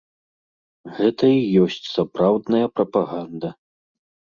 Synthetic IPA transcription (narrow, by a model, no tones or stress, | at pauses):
ɣɛt̪ɐijɔsʲt͡sʲsapɾawd̪nɐjɐpɾɐpaɣand̪ɐ